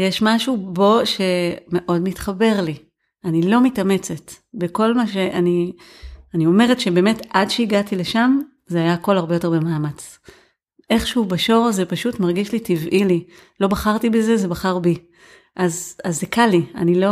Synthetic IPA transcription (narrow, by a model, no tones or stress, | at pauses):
jeʃmaʃubo̞ʃe̞me̞ʔo̞dmitχabe̞ʁli | anilo̞mitame̞t͡se̞t | beko̞lmaʃe̞ʔani | aniome̞ʁetʃe̞be̞ːme̞tadʃeiɡatileʃam | zeajaːko̞laʁbe̞jo̞te̞bemaːmat͡s | ʔe̞χʃeubaʃo̞ʁzepaʃutmaʁɡiʃlitivʔili | lo̞baχaʁtibezeze̞baχaʁbi | ʔazazːekalia̰nilo̞